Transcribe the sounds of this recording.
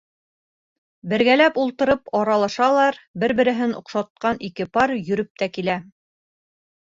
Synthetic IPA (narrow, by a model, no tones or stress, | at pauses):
bɘ̆ɾɡælæpulˠt̪ɤ̆ɾɤpɑɾɑlˠɑʃɑlˠɑɾbɘɾbɘ̆ɾɘ̆ɦɘnṵ̆qʃɑt̪̚qɑnikɘpɑɾjɵ̆ɾɵp̚t̪ækilæ